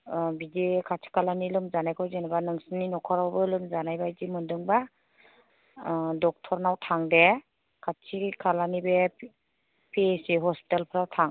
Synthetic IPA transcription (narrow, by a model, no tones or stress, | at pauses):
bidekʰat͡ʃʰi̥kʰalanilɯmzanajkʰɔwzenabanɯŋsɯninɔkʰɔɾawbɯlɯmzanajbajdimɯndɯŋba | dɔk̚tʰɔɾnawtʰaŋde | kʰat͡ʃʰikʰalanibe | pʰesiɦɔspi̥talpʰɯɾawtʰaŋ